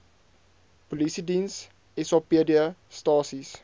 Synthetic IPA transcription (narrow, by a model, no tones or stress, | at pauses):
polisidins | ɛsɑpiədiəstɑːsis